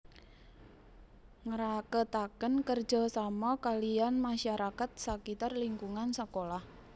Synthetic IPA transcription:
ŋəɾakət̪akənkər̥d͡ʒ̥ɔ̤samɔkalijanmaʃaɾakat̪̚səkit̪arliŋkuŋansəkolah

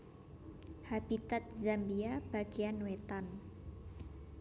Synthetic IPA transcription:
hab̥it̪at̪̚zambiab̥a̤ɡ̥ianwet̪an

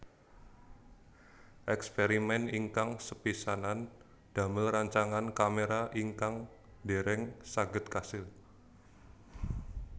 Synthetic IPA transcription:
ʔɛkspeɾimɛniŋkaŋsəpisanan | d̥a̤məlraɲt͡ʃaŋankameɾaʔiŋkaŋ | deɾɛŋsaɡət̪̚kasɪl

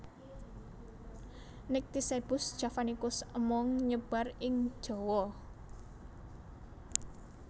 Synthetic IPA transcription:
nɪk̚t̪iseb̥ʊ̤sd̥ʒ̥a̤fanikʊsəmɔŋɲəb̥a̤rɪŋ̥ʒ̥ɔ̤wɔ

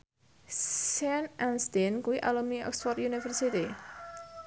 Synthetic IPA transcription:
sanʔanst̪ɛnkuwiʔalɔmiɔ̰ksfɔrt̪junifərsit̪i

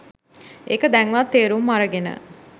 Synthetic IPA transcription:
ekəd̪ɛŋʋat̪ːeːɾumːaɾəɡenə̰

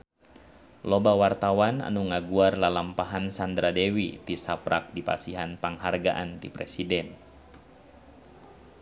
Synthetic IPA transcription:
lobawart̪awana̰nuŋaɡuarlalampaɦansand̪ɾadɛwit̪isapɾak̚dipa̰siɦanpaŋɦarɡaʔant̪ipɾesidɛn

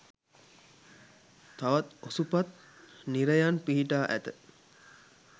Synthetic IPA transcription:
t̪aʋɐt̪osupat̪ | niɾəjanpiɦiʈaːʔæt̪ə

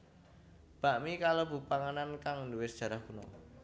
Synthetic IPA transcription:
b̥a̤ʔmikalob̥ṳpaŋanankaŋnduwɪsd̥ʒ̥ä̤ɾahkunɔ

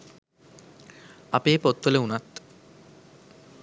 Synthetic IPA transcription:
apeːpot̪ʋoleunat̪

